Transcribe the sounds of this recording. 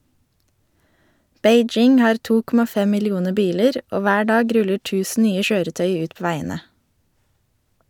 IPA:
ˈbeɪˌd͡ʒɪŋ ˈhɑːɾ ˈtuː ˈkɔmɑ ˈfɛ ˌmɪlɪˈuːnə ˈbiːləɾ ˈoː ˈʋæː ˈɖɑːɡ ˈɾʉlə ˈʈʉːsn̩ ˈnyːə ˈʃøːɾəˌtœʏ ˈʉːt ˈpoː ˈʋæɪənə

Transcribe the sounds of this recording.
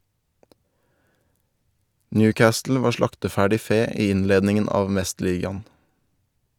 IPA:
ˈnjʉːˌkɑːstl̩ ˈʋɑːɾ ˈʃlɑktəˌfæːɖɪ ˈfeː ˈiː ˈɪnleːdnɪŋən ˈɑːʋ ˈmɛstˌliːɡɑn̩

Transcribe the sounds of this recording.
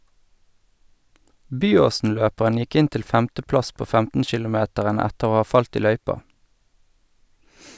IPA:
ˈbyːˌoːsn̩ˌløːpəʁən ˈjɪk ˈɪn ˈtɪl ˈfɛmtəˌplɑs ˈpoː ˈfɛmtn̩ʃɪlʊˌmeːtəʁən ˈɛtəʁ ˈoː ˈɑː ˈfɑlt ˈiː ˈlœʏpɑ

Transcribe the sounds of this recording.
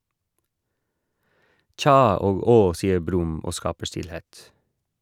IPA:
ˈtçɑː ˈoːɡ ˈoː ˈsiːə ˈbɾʉm ˈoː ˈskɑːpə ˈʃtɪlˌheːt

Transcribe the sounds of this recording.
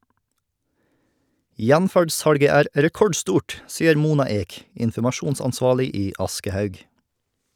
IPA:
ˈjænfæɖˌsɑɽɡə ˈæːɾ ɾɛˈkɔɖˌstuːʈ ˈsiːəɾ ˈmuːnɑ ˈeːk ɪnfɔmɑˈʃuːnsɑnˌsʋɑːɭɪ ˈiː ˈɑskəhœʉɡ

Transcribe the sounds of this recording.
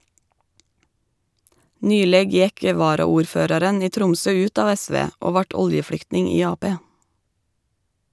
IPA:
ˈnyːleːɡ ˈjɛk ə ˌʋɑːɾɑuːɾˈføːɾɑɾən ˈiː ˈtɾʊmsœ ˈʉːt ˈɑːʋ ˈæˌsʋeː ˈoː ˈʋɑːʈ ˈɔljəˌfɽʏktnɪŋ ˈiː ˈɑːˌpeː

